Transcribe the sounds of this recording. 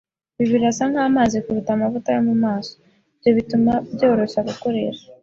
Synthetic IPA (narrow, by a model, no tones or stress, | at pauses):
βiβiɾasaŋhaːmaːzikuɾutamavutajomumaːso | bjoβitumabɟo̞ːɾo̞ʃaɡuko̞ɾe̞̰ʃḁ